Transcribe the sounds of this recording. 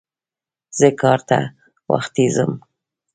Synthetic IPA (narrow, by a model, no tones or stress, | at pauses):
z̥əkɑɾt̪a̰ | wa̰xt̪izəm